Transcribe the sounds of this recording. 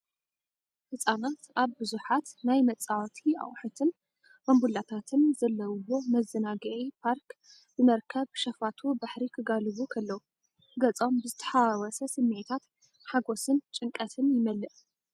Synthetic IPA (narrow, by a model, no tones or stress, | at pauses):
hɨsʼanat̪ʔaβbɨzuħat̪najmɐt͡sʼawt̪ʰia̰χʼħut̪ʰɨn | mɐmbulat̪ʰat̪ʰɨnzɐlːɐwwo̞mɐzːɐnaɡɐʔipʰaɾk | b̥ɨmɐɾkʰɐβʃɐfat̪ʰubaħɾikʰɨɡalɨβukʰɐlːɐwu | ɡɐt͡sʼo̞mbɨzɨt̪ʰɐ̥ħawwɐsɐsɨmːet̪ʰat̪ | ħaɡo̞sɨnt͡ʃʼɨŋkʼɐt̪ʰɨnjɪmɐlːɨʔ